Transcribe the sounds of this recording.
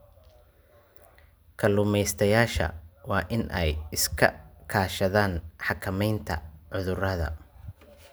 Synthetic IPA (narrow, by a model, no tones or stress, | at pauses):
kʰɐlʊmɛjst̪ʰɐjaːʃɐ̰wɑːʔɪnʔɛjɪskʰɐ̰kʰaːʃɐðaːnħɑkʰɐmɛjnt̪ʰɐ̰ʕʊðʊrɐðɐ̰